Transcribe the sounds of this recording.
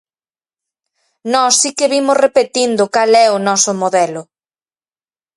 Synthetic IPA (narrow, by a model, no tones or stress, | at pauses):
nɔsːikɪβimʊsrepet̪ind̪ʊkalɛʊnɔsʊmoðɛlʊ